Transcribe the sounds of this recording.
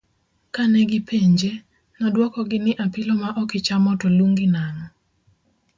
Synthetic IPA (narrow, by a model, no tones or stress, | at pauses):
kanɛɡɪpʰeɲd͡ʒe | nɔdwɔkɔɡɪnɪʔapɪlɔmaʔɔkɪt͡ʃamɔtɔluŋɡɪnanɔ